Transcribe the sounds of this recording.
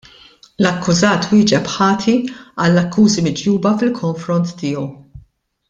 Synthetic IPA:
lɐkːʊzɐːt̪wɪːd͡ʒɛpħɐːt̪ʰiɐlːɐkːuːzimɪd͡ʒjuːbɐfɪlkʰɔɱfɾɔnt̪ːɪːɔw

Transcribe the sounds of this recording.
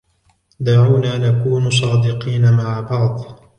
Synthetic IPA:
d̪aʕuːnaːnakuːns̬ˤɑːd̪ɪqiːnamaʕabɑʕd̪ˤ

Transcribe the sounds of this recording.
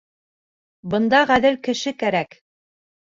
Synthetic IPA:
bɤ̆nd̪ɑʁæðɘlkɘ̆ʃɘkæɾæk

